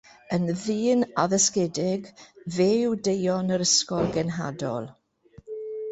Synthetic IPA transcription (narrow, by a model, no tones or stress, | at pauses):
ənðiːnaðɛskɛdɪɡveːwdejɔnəɾəskɔlˠɡɛnɦa̰dɔ̰lˠ